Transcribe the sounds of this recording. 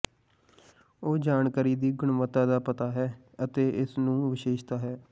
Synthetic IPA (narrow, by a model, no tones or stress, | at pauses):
oːd͡ʒaːɳkaːɾiːd̪iːɡʊɳʋət̪ːaːd̪aːpət̪aːɦɛː | ət̪eːɪsnũːʋɪʃeːʃt̪aːɦɛː